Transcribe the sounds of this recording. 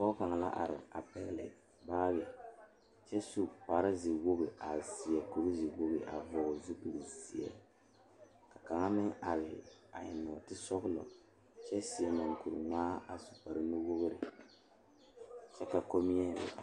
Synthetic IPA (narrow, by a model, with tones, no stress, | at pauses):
pɔ˦ka˨ŋ˨la̰˦ʔa̰˨ɾɪ̰˨a˨pɛ˦ɣlɪ̰˨ | baː˦bɛ˨ | t͡ʃɛ˦su˦pa˨ɾa˦zi˨wo˦bi˨a˨si˨ɛ˨ku˨ɾɨ˦zi˨wo˦bɨ˨ʔa̰˨vɔ˨zu˦ku˨li˨zi˨ɛ̰˨ | ka˨ka˨ŋa˦mɪ˦ŋa˨ɾɪ˨a˨ɲɪ˨nɔ˨tɪ˦sɔ˦ɣʊ˦lɔ̰˨ | t͡ʃɛ˦si˨ɛ˨ma˨ŋ˨ku˨ɾɨ̰˨ŋaː˦a˨su̥˨pa˨ɾɨ˦nu˦wo˦ɣʊ˦ɾɪ˨ | t͡ʃɛ˦ka˨ko˦mi˦ɛ˦ɾɪ̰˨